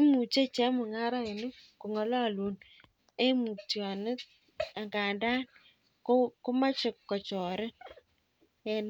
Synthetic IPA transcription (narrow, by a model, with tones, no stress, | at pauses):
mu˨t͡ʃe˦t͡ʃɛ˦mʊ˨ŋa˦ɾa˦ɪ˨nɪ˦ku˨ŋɔ˨la˦lu˨˦n | e˦mu˨tjɔ˨nɪ˦t̚ | a˨ŋɡa˨nda˦n | kku˦ma˦t͡ʃɪ˨kːɔ˨t͡ʃɔ˨ɾɪ˦n | e˨n